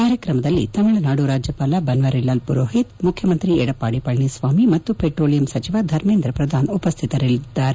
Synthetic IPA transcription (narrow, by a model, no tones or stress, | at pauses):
kaːɾjɐkɾɐmɐd̪ɐlːḭt̪ɐmiɭɐnaːɽuɾaːd͡ʒjɐpaːlɐbɐnʋɐɾelːaːlpuɾoːɦit̪mukʰjɐmɐnt̪ɾiɛɽɐpːaːɽipɐɭɳisʋaːmimɐt̪ːupeːʈɾoːlijɐmsɐt͡ʃiʋad̪ʱɐɾmeːnd̪ɾɐpɾɐd̪ʱaːnupɐst̪ʰit̪ɐɾilid̪ːaːɾe